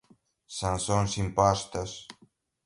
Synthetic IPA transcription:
sansonsimpast̪əs

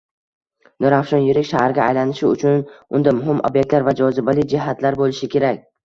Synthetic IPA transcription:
noɾafʃɒnjɪɾɪkʲʃahɾɡʲaːjlanɪʃɪʊ̰t͡ʃʰʊnʊnd̪amʊɦɪmʔo̰bjek̚ʲt̪laɾvad͡ʒɒzɪbalɪd͡ʒɪɦat̪laɾbolɪʃɪkʲʰe̞ɾakʲ

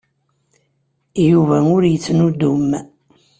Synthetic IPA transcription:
juvæʊɾjət͡sːnud̪um

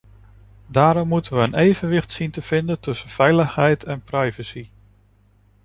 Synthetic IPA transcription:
daːɾɔmːutənʋəːnʔejvənʋɪχtsintəv̥ɪndəntɵsənv̥ɛjləχɦɛjtʰɛnprɑjvəsi

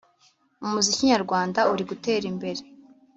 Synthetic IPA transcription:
umuziciɲaɾɡwaːndauɾiɡute̞ːɾimbe̞ɾe̞

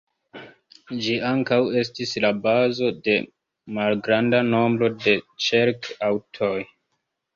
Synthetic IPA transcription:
d͡ʒiaŋkawe̞stislabazo̞de̞ | malɡɾandano̞mbɾo̞de̞t͡ʃeɾkawtʰo̞j

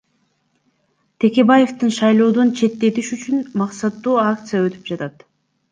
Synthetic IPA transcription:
t̪ʰe̞ke̞baje̞ft̪ɨnʃɑjlˠo̞ːd̪ont͡ʃʰe̞t̪ːe̞t̪iʃyt͡ʃynmɑqsɑt̪ːuːakt̪sɨjaø̞t̪y̥p̚d͡ʒɑt̪ɑt̪

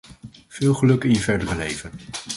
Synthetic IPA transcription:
v̥ɪːlˠχəlɵkɪnjəvɛɹdərəlḛjvən

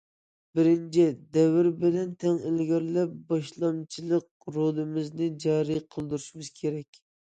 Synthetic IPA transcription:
bɪɾɪnt͡ʃʰid̪ɛvɪɾbɪlɛnt̪ʰɛŋɪlɡʲɑɾlɛp̚bɑʃlˠɑmt͡ʃʰilˠəq̚ | ɾolˠɨmɪznɪd͡ʒɑːɾijqʰəlˠd̪uɾuʃimɨz̥kʲʰeɾɛkʲ

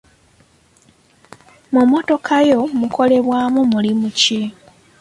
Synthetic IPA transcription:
mumo̞to̞kʰajo̞muko̞le̞βwaːmumulimuci

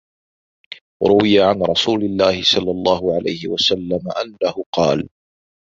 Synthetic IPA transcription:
ɾʊwɪjaʕanɾˤɑsuːlɪlːaːhɪsˤɑlːɑlˤːɑːhʊʕala̰jhɪwasalːamaʔanːahʊqɑːl

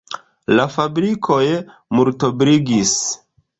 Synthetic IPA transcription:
lafabɾikʰo̞j | muɾtobɾiɡis

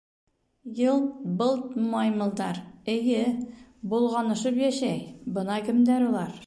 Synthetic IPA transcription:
jɤlˠt̪̚bɤlˠt̪mɑjmɤ̆lˠd̪ɑɾɘ̆jɘbulˠʁɑnɤ̆ʃɤpjæʃæjbɤ̆nɑkɘ̆md̪æɾulˠɑɾ

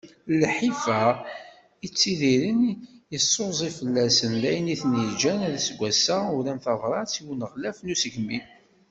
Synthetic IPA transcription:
lħifæ | it͡sːiðiɾənjəsˤːozˤifəlːæsənlæjəniθnid͡ʒænæðæsɡʷæsæʊɾæmθɑvɾˤɑt͡siwənəʁlæfnusəʝmin

